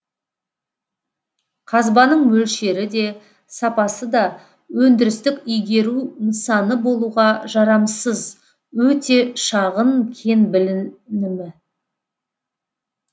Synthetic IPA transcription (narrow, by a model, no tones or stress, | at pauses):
qʰɑzbɑnəɴmɵlʃe̞ɾɪd̪e̞ | sɑpɑsəd̪ɑ | wɵnd̪ɪɾɪst̪ɪkʲʏjɡʲe̞ɾunəsɑnəbo̞lˠuʁɑʒɑɾɑmsəz | wɵt̪e̞ʃɑʁəŋkʲʰe̞nbɪlɪnɪmɪ